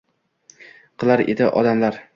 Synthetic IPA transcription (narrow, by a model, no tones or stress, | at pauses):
qʰɨlˠaɾḛd̪ɪʔɒ̰d̪amlaɾ